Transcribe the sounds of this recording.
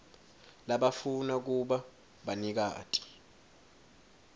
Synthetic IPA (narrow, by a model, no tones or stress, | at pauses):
laɓafunak̬uɓa | ɓanik̬a̰ːtʼʰi̥